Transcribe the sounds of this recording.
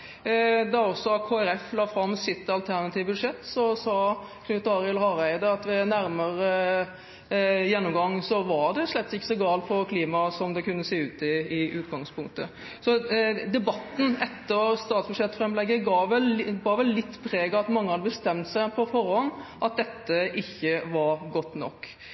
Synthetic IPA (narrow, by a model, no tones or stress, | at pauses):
d̪ɑɔsːɔɑkʰoːæɾɛflɑːfɾɑmsɪt̪ɑlt̪ʰæɾnɑt̪ʰiːʋəbʉd̪ʂɛt̪ːsɔsɑːkʰnʉːt̪ːɑːɾɪɛlhɑɾæɪd̪əɑt̪ʋɛnæɾməɾə | jɛnːʊmɡɑŋːsɔʋɑɾd̪ɛʂlɛt̪ːsɪkːə̥sɔɡɑːlt̪pʰɔkʰliːmɑsɔmd̪ɛkʉnːəseːʉːt̪ɪɪʔʉːt̪ɡɑŋspʰʊŋkt̪ə | sɔd̪ɛbɑt̪ːn̩ɛt̪ːəɾst̪ɑːt̪sbʉʂɛt̪ːfɾɛmlɛɡːəɡɑːʋɛlbɑːʋɛlːɪt̪ːpʰɾeːɡɑt̪mɑŋːəhɑd̪əbəst̪ɛmt̪sæɪpʰɔfɔɾɔnʔɑt̪̚d̪ɛt̪ːəʔɪçːəʋɑɾɡɔt̪ːnɔ̰kː